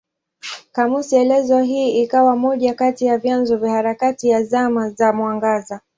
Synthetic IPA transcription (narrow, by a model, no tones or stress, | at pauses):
kamusiɛlɛzɔɦiːikawamɔʄakatijavjanzɔvjahaɾakatijazamazamwaŋɡaza